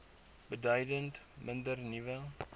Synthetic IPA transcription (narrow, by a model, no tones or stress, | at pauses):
bədœjdənt | mɪndərnivə